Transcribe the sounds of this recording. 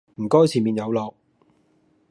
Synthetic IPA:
m̩˨˩kɔː˥jt͡sʰiː˨˩miː˨˧njɐ˨˧wlɔː˨k̚

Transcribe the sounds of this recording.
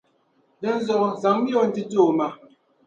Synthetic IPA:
dɛ˦n̩˦zɔ˨za˨˦ŋ˦mjo˦˨n̩˨ti˦toː˦˨ma˨

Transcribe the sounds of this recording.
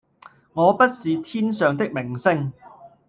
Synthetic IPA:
ŋɔː˨˧pɐ˥t̚siː˨˧t̪ʰiː˥nsœː˨˧ŋt̪ɪ˥k̚mɪ˨˩ŋsɪ˥ŋ

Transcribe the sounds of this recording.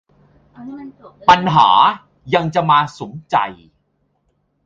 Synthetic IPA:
pa˧nɦa̰ː˩˦ | ja˧ŋt͡ɕa˨˩maː˧so˨˩˦mt͡ɕa̰˨˧j

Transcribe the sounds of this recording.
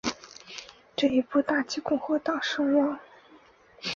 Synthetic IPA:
ʈ͡ʂɤ˥˩i˧˥pu˥˩t̪a˥˩t͡ɕi˥kʊ˥˧ŋxwɔ˥t̪ɑ˥˨˩ŋʂɤ˥ŋwɑ˥˩ŋ

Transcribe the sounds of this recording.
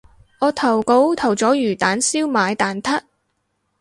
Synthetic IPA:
ŋɔː˨˧t̪ʰɐ˨˩wko˨˧wt̪ʰɐ˨˩wt͡sɔː˨˥jyː˨˩t̪aː˨˥nsiː˥wmaː˨˧jt̪aː˨˩nt̪ʰɐ˥t̚

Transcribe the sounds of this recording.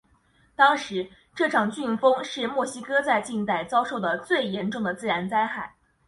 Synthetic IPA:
t̪ɑ˥ŋʂɻ̩˧˥ | ʈ͡ʂɤ˥˩ʈ͡ʂʰɑ˨˩ŋt͡ɕy˥˩ŋfɤ˥ŋʂɻ̩˥˧mwɔ˥˩ɕi˥kɤ˥t͡sa˥˧ɪt͡ɕi˥˧nt͡s̪a˥˩ɪt͡sɑ˥ʊʂo˥˩ʊd̪ə˩t͡swe˥˩ɪjɛ˧˥nʈ͡ʂʊ˥˩ŋd̪ə˩t͡sɹ̩˥˩ɻa˧˥nt͡sa˥nxa˥˩ɪ

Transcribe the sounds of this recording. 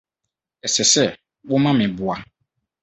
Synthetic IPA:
ɛ˨sɛ˨sɛ˦ | wɔ˦mã˦mɪ̃˨bʊ˨a˨

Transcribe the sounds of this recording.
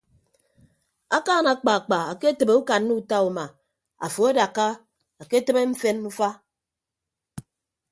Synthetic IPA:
a˦kaː˦˨na˨˦k͡pa˨k͡pa˨a˨ke˦tə˨be˨u˦ka˨nːu˦u˦ta˦u˨ma˨ | a̰˨fo˨a˦da˨kːa˦ | a˨ke˦te˦me˦m̩˦fe˦nmu˦fa˦

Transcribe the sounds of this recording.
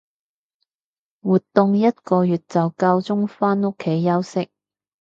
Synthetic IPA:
wuː˨˩t̪ːʊ˨ŋjɐ˥t̚kɔː˧jyː˨t̚t͡sɐ˨wkaː˧wt͡sʊ˥ŋfaː˥nʊ˥kʰːe˨˥jːɐ˥wsɪ˥k̚

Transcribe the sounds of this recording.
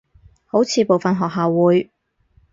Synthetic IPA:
ho˨˥wt͡sʰiː˨˧po˨wfɐ˨nɦɔː˨k̚ɦaː˨wːuː˨˥j

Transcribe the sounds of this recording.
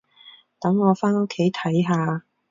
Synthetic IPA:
t̪ɐ˨˥ŋːɔː˨˧faː˥no˥kʰːe˨˥jt̪ʰɐ˨˥jɦaː˧

